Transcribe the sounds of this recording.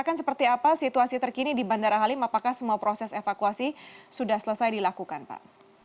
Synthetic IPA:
akansəpərt̪iapasit̪uasit̪ərkinidibandaɾaɦalimapakahsəmuapɾosɛsefakuasisudahsələsajdilakukanpa̰ʔ

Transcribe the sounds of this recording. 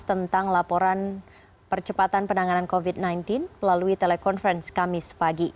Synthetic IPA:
t̪ənt̪aŋlapɔɾan | pərt͡ʃəpat̪anpənaŋanankovit̪̚najnt̪ɪnməlaluit̪elekɔnfɾɛnskamɪspaɡi

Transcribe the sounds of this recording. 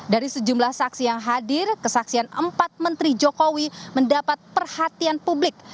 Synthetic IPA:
daɾisəd͡ʒumlahsaksijaŋɦadɪrkəsaksianə̰mpat̪̚mənt̪ɾid͡ʒokowiməndapat̪̚pərhat̪ianpublɪk̚

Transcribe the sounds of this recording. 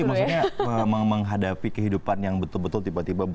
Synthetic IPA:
maksuk̚ɲaəməməŋɦadapikəɦidupanjaŋbət̪ʊlbət̪ʊlt̪ibat̪iba

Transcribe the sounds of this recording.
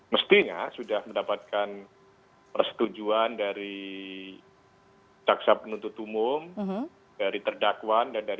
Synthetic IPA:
məst̪iɲa̰sudahməndapat̪̚kan | pərsə̥t̪ud͡ʒuandaɾi | t͡ʃaksapənunt̪ʊt̪umʊm | daɾit̪ərdakwandandaɾi

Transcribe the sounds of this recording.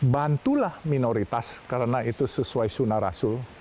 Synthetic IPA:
bant̪ulahminoɾit̪askaɾənait̪usəsuaisunaɾa̰sʊl

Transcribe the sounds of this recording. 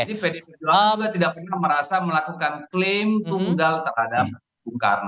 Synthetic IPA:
adifedepeduauɡat̪idak̚pərnahməɾasaməlakukanklɪmt̪uŋɡalt̪ərhadap̚ | buŋka̰rna

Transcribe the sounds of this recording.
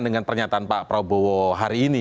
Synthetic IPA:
ndəŋanpərɲat̪aːnpaʔpɾobowɔɦaɾiːni

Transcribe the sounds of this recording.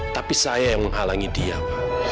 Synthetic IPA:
t̪apisajajaŋməŋɦalaŋidia

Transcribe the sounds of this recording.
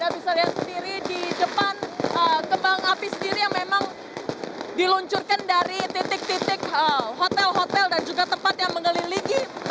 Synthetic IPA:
dabisaliɦat̪̚səndiɾididəpanəkəmbaŋapisəndiɾijaŋmemaŋ | diluɲt͡ʃʊrkandaɾit̪it̪ɪk̚t̪it̪ɪk̚əɦot̪ɛlɦot̪ɛldand͡ʒuɡat̪əmpat̪̚jaŋməŋəliliɡi

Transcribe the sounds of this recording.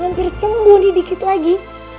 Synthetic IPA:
hampɪrsəmbuhnibikɪt̪laɡi

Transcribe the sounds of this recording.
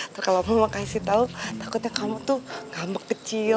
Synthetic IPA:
t̪ərkalamamakaisit̪aut̪akʊt̪̚ɲakamut̪uɡambəkkət͡ʃi

